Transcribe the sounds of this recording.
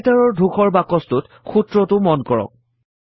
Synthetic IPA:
taɹɔɹdʱuxɔɹbakɔstʊt | xutɹɔtʊmɔnkɔɹɔ̰k̚

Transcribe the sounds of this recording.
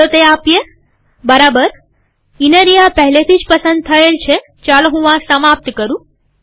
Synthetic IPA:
ot̪eapje | bəɾabəɾ | inəɾijapəɦlet̪ʰid͡ʒpəsə̃nd̪̚t̪ʰəelt͡ʃʰe | t͡ʃalɦuʋãsəmap̚t̪kəɾũ

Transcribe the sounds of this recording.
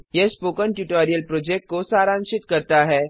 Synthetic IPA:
jespoːkəɳʈjuːʈaːɾijəlpɾoːd͡ʒek̚ʈ̚kosaːɾãːnʃɪt̪kɐɾt̪aɦɛː

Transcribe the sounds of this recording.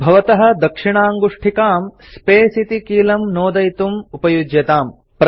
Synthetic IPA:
bʱɐʋɐt̪ɐɦɐ̆d̪ɐkʂiɳaːŋɡuʂʈʰikaːmspeːsit̪ikiːlɐmnoːd̪ɐjt̪umupɐjud͡ʒjɐt̪aːm | pɾ

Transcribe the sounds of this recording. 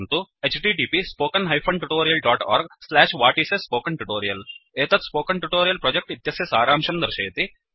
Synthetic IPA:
nt̪uet͡ʃʈiːɖiːpispoːkɐnɦɐjpʰɐɳʈuʈoːɾijɐlɖaːʈa̰ːɾɡslaːʃʋaːʈiːsespoːkɐɳʈuʈoːɾijɐleːt̪ɐt̪spoːkɐnʈuʈoːɾijɐlpɾoːd͡ʒek̚ʈit̪jɐsjɐsaːɾaːmʂɐmd̪ɐɾɐʃeːt̪i

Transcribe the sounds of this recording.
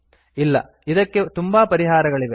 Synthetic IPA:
ɪlːɐ̰ | ɪðɐkːɯt̪ʊmbaːpɐɾɪɣaːɾɐɣɐɭɪʋe

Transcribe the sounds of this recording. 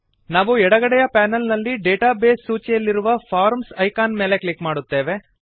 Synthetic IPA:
naːʋuɛɽɐɡɐɽɛjɐpaːnɐlnɐlːiɖeːʈaːbeːsːuːt͡ʃijɐlːiɾuʋɐpʰaːɾmsɐjkaːnme̞ːle̞klikmaːɽut̪ːe̞ːʋe̞

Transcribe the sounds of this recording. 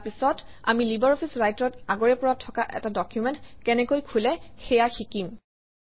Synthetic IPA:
pisɔt | a̰milibɛɹɔpʰisɹajtɔtaɡɔɹɛpɔɹatʰɔkaʔɛ̰tadɔkjumɛntkɛnɛkojkʰulɛxɛjaxikim

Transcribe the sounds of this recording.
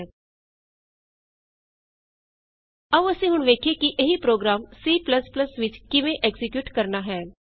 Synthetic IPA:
əʋəsĩːɦʊɳʋeːkʰeːkɪʔeɦiːpɾoːɡɾaːmsiːpləspləsʋɪt͡ʃkɪʋẽːʔɛːɡsɪkjuːʈkəɾnaːɦɛː

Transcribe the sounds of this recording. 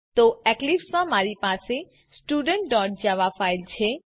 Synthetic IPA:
t̪oɛklipsmãmaɾipase | sʈuɖəɳʈ̚ɖɔʈ̚d͡ʒaʋafailt͡ʃʰe

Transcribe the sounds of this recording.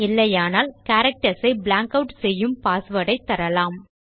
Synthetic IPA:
ɪlːɐjaːnaːlkaːɾɐk̚ʈɐsɐɪblaːŋkɐʊʈsɛjːɯmpaːsʋɐɽɐɪt̪ːɐɾɐlaːm

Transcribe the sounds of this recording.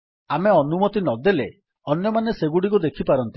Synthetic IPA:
ameɔnumɔt̪inɔd̪ele | ɔnjɔmaneseɡuɽik̬ud̪ekʰipaɾɔnt̪i̥

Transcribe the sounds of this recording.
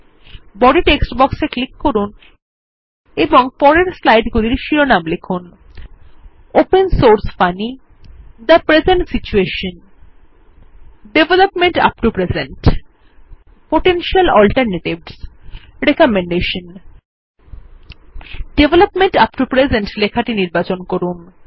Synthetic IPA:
bɔɖiʈeksʈbɔkseklikːoɾun | eboŋpɔɾeɾslajɖɡuliɾʃiɾonamlekʰun | opensoɾsfani | d̪əpɾezeɳʈsit͡ɕueʃon | ɖebelopmeɳʈa̰p̚ʈupɾezeɳʈ | poʈenʃialɔlʈaɾneʈibs | ɾekɔmeɳɖeʃon | ɖ̥ebʱelopmeɳʈap̚ʈupɾed͡ʑeɳʈlekʰaʈiniɾbat͡ɕonkoɾun

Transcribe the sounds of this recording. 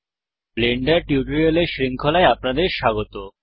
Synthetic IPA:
bleɳɖaɾʈiuʈoɾioleɾʃɾiŋkʰolaeapnad̪eɾʃaɡot̪o

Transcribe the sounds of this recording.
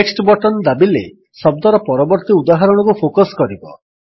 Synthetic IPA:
eksʈbɔʈɔnd̪abilḛ | sɔb̚d̪ɔɾɔpɔɾɔbɔɾt̪iud̪aɦaɾɔɽ̃ɔkupʰokɔskɔɾibɔ

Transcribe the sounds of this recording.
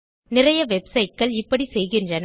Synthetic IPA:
nɪrɐjɐʋɛbsɐɪʈ̚kɐɭɪpːɐɽisɛjɣɪndrɐn

